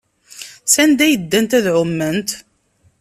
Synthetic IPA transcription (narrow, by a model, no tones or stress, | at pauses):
sænd̪æjəd̪ːænt̪æðʕʊmːənt̪